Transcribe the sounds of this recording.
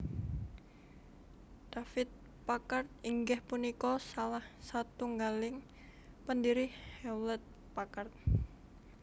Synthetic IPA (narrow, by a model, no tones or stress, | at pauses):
dafɪt̪̚ | pakart̪̚iŋɡɛhpunikɔsalahsat̪uŋɡalɪŋ | pəndiɾɪhhɛwlɛt̪̚ | pakart̪̚